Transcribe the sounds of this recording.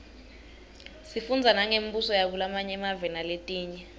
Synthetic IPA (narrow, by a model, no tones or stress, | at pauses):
sifund͡zʱanaŋem̩busɔjak̬ulamaɲɛmavɛnaletʼiːɲɛ